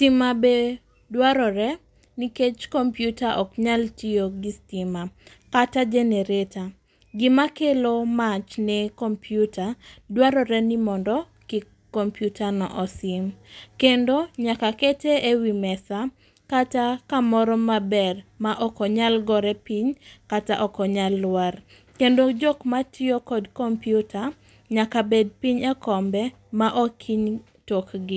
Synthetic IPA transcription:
stimabe | dwaɾɔɾɛ | niket͡ʃkɔmpjutaʔɔkɲaltioɡistima | katad͡ʒɛneɾeta | ɡɪmakelomat͡ʃnɛkɔmpʰjutadwaɾɔɾɛnimɔndɔ | ki | ɔmpjutʰanɔ̰ʔɔsɪmkendoɲakaketeewimɛsa | katakamɔɾɔmabɛrmaʔɔkɔɲalɡɔɾɛpiɲkataʔɔkɔɲalːwar | kendod͡ʒokmatʰɪokɔdkɔmpjutʰa | ɲakabed̚piɲakɔmbɛ | maʔɔkʰiɲ | tokɡɪ

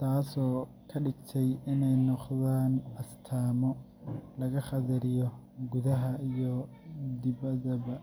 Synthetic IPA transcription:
t̪ʰaːsɔː | kʰɐɖɪɡt̪ʰɛjɪnɛjnɔqðaːnʔɐst̪ʰaːmɔ | lɐɣɐχɑðɐɾɪjɔɡʊðɐɦɐijɔ | d̪ɪβɐðɐβɐ

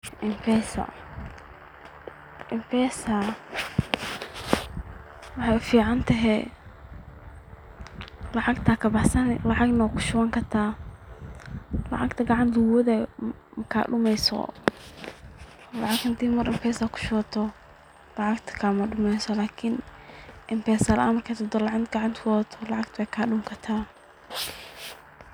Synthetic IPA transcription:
ʔɪmfɛsɐ̰ | ʔɪmfɛːsɐ | wɑħɑjfiːʕɑnt̪ʰɐɦɛj | lɑʕɑɡt̪ʰaːkʰɐbɑħsɐnlɑʕɑɡnɐwkʰʊ̥ʃʊwɐŋkʰɐrt̪ʰaː | lɑ̰ʕɑɡt̪ʰɐɡɑʕɑnt̪ʰʊwɔðɛ | mkʰa̰ːɗʊmɛjsɔ̰ | lɑ̰ʕɑɡhɪnt̪ʰiːmɐrɪmpʰɛːsakʰʊ̥ʃʊɔt̪ʰɔ | lɑʕɑɡt̪ʰkʰɐmɐɖʊmɛjsɔlaːkʰɪnʔɪmpʰɛːsɐlːmɐrkʰɐt̪ʰɔd̪ɔlɑʕɑnɡɑʕɑnt̪ʰɔt̪ʰɔlɑʕɑɡt̪ʰwɛkʰaɗʊmkʰɐt̪ʰaː

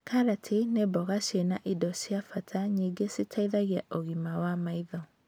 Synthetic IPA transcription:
kʰaɾatʰinebɔɣaʃenaʔidɔsjafatʰaɲiɡesitʰaiðaɣiaʔoɣimawamaiðɔ

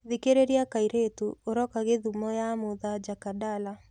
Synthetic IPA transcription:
ðikeɾeɾiakaiɾetuoɾɔkaɣeðumɔjamoðad͡ʒakadala

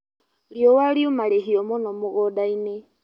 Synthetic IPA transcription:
liɔwaliumaleɦiɔmonɔmoɣɔdaine

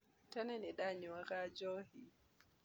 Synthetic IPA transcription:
tananiɗaːɲiwakaːd͡ʒɔːhi

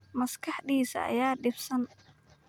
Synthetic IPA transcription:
mɐskʰɑħd̪iːsɐ̰ʔɐ̰jaːɖɪbsɐn

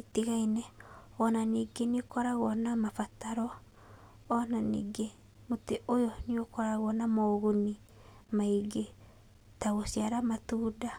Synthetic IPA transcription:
itiɣainɛɔnaniːɡeneokɔɾaɣɔnamafataɾɔː | nanḭːɡe | moteʔojɔniokɔɾaɣɔnamɔɣuni | maiɡe | taɣosiaɾamatuːda

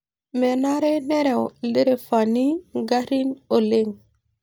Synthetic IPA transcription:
mɛnaɾɛnɛɾɛwleɾefaniɡaɾinoleŋ

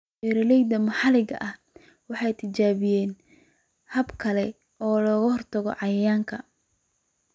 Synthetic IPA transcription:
ɛɾɐlɛjd̪ɐmɐħɑlɪɣɐ̰ʔɐh | wɑħɑjt̪ʰɪt͡ʃaːβɪjɛːn | hɐbkʰɐlɛ | ɔːlɔːɣɐhɔrt̪ʰɐɣɔ̰ʕɑjɐjaːŋkʰɐ

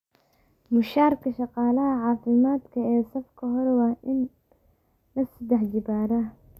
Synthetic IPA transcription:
mʊʃaːrkʰɐʃɑqɑːlɐɦɐʕɑːfɪmaːd̪kʰɐɛːsɐfkʰɐɦɔɾwɑːʔɪn | lɐsɐd̪ɛħd͡ʒɪbaːɾɐ

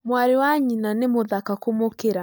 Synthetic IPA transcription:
mwaɾiwaɲinanemoðakakomokeɾa

